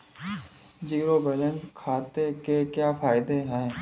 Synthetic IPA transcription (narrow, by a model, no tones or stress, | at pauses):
d͡ʒiːɾobɛːlə̃nskʰaːt̪ekekjaːfaːɪd̪eɦɛ̃ː